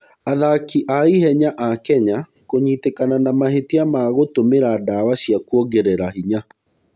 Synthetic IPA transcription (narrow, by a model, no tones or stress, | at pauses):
aðakiʔaiɦɛɲaʔakɛɲa | koɲiːtekananamaɦetiamaɣotomeɾadawaɕiakuɔɡeɾɛɾahiɲa